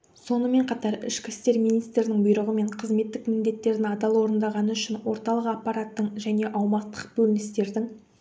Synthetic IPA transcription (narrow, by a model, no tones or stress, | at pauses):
so̞nəme̞ɴqʰɑt̪ɑɾɪ̰ʃkʲɪst̪e̞ɾmijnijst̪ɾɾɪnɪŋbʊjɾəʁəme̞ɴqʰəzme̞t̪ːɪkmɪnd̪e̞t̪ːe̞ɾd̪ɪnɑd̪ɑlˠwo̞ɾənd̪ɑʁɑnəʏʃɪnwo̞ɾt̪ɑlˠəqɑpːɑɾat̪ːəɴʒæne̞ʔɑwmɑt̪ːəq̚bɵlɪnɪst̪e̞ɾd̪ɪŋ